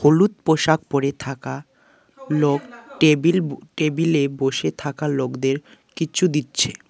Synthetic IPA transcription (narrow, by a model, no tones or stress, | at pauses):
holut̪̚poʃak̚poɾet̪ʰaka | lokʈebilʈebileboʃet̪ʰakalokd̪eɾkit͡ɕʰud̪itːɕʰe